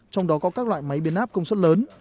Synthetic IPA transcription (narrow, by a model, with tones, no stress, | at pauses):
t͡ɕɔ˧wŋ͡mɗɔ˨˦kɔ˨˦kaː˦˥k̚lwa̰ː˧˨jma˨˦jɓi˧ənʔaː˦˥p̚kə˧wŋ͡mswə˦˥t̚ləː˨˦n